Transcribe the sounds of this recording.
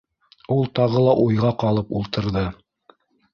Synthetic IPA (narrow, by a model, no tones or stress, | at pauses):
ulˠt̪ɑʁɤlˠɑʔujʁɑqɑlˠɤpulˠt̪ɤ̆ɾðɤ